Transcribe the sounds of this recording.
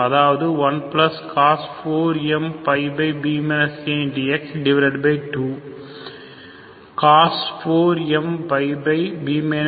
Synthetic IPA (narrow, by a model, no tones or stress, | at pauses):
ɐðaːʋɐðɯʋɐnplɐskʰaːsfoːɾɪɛmpɐɪbɐɪbiːmenɐsẽnɖiɛksɖɪʋɐɾɐʈbɐɪʈuː | kaːsfoːɾɛmpɐɪbɐɪbiːmen